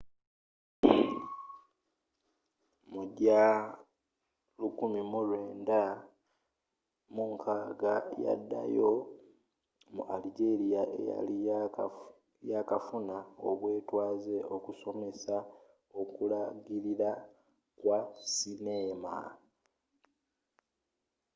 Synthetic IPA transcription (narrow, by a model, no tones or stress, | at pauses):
muɟa | lukumimulweːnda | muŋkʰaːɡaja̰dːa̰jo̞ | mṵʔaliɟe̞ɾijaʔe̞̰ja̰li | jakafunaoβwe̞ːtwaːze̞ʔo̞kuso̞me̞sa | o̞kulaɡiɾiɾa | kwasineːma̰